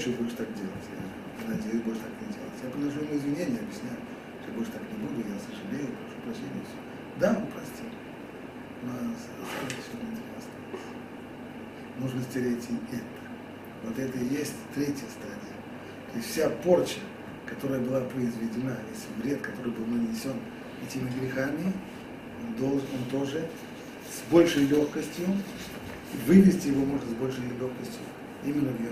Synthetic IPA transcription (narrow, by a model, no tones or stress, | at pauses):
t͡ɕobolʲʂə̥t̪akdʲelˠətʲja̰ | nɐdʲejʊbolʲʂə̥t̪aknʲɪdʲelˠətʲjapəɐʂuɪmuɪzvʲɪnʲenʲɪjɐbjɪsʲnʲæjʊ | ʂt̪obolʲʂə̥t̪aknʲɪbud̪ʊjasəʐɨlʲejʊpɾɐʂupɾɐɕːenʲɪjəfsʲ | d̪aʊpɾɐsʲtʲi | nas | stot̪fʲsʲonʲɪtʲɪɾʲest̪ojt̪ | moʐnəsʲtʲɪɾʲeɪtʲɪɛt̪ə̥ | vo̞t̪ɛt̪əjesʲtʲt̪ɾʲetʲjəst̪adʲɪjə | t̪o̞ɪsʲtʲfsʲapo̞rt͡ɕə | kɐt̪o̞ɾəjəbɨlˠapɾəɪzvʲɪdʲɪnajʲesʲlʲɪvɾʲe̞t̪kɐt̪o̞ɾɨjbɨlˠnɨnʲɪsʲo̞n | ɛtʲɪmʲɪɡɾʲɪxamʲɪ | ond̪olˠnont̪o̞ʐɨ | sbo̞lʲʂəjlʲo̞xkəsʲtʲjʊ | ivɨvʲɪsʲtʲɪjɪvo̞mo̞ʐɨt̪sbo̞lʲʂəjlʲo̞xkəsʲtʲjʊ | imʲɪnːəvjɪ